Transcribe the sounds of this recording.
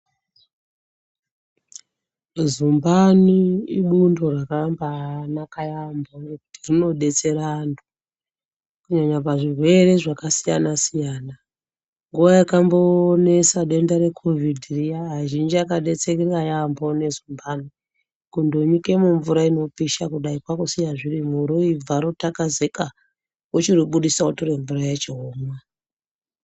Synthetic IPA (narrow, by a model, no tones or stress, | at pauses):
zumbaniiɓundo̞rakambanakajambonekutirino̞ɗe̞t͡se̞ɾaːntʰu̥ | kuɲaɲapaʐirwe̞ɾe̞ʐakasija̰nasijaːna | ŋɡuʋajakambo̞ːnesaɗe̞ndaɾe̞kʰo̞vidʱirijaːʒind͡ʒiakaɗe̞t͡sekirajambone̞zumbani | kundoɲike̞muɱvuɾaino̞piʃakuɗaikwakusijaʐirimuɾuib͡vaɾotakaze̞ka | ot͡ʃiroɓuɗisautoɾeɱvurajet͡ʃeɦoːmwa